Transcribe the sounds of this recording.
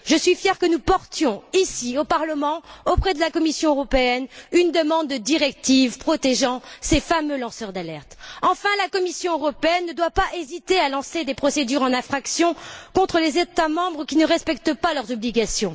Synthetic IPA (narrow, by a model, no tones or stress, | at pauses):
ʒəsɥifjɛʁkənupɔʁt̪jɔ̃isiopaʁləmɑ̃opχɛd̪əlakɔmisjɔ̃øʁɔpeɛnynd̪əmɑ̃d̪ːəd̪iʁɛk̚t̪ivpχɔt̪eʒɑ̃sefamølɑ̃sœʁd̪alɛʁt̪ɑ̃fɛ̃lakɔmisjɔ̃øʁɔpeɛnːəd̪wapaʔezit̪ealɑ̃sed̪epχɔsed̪yʁɑ̃nɛ̃fχaksjɔ̃kɔ̃t̪χəlezet̪amɑ̃bʁəkʲinəʁɛspɛkt̪əpalœʁzɔbliɡasjɔ̃